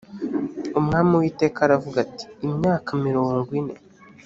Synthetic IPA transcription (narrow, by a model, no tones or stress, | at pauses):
umŋaːmiwiːte̞ːkaɾavuɡati̥ːmɲaːkamiɾoːŋɡine̞